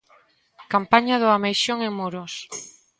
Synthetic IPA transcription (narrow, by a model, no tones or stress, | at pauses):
kampaɲaðʊamejʃoŋeŋmoɾos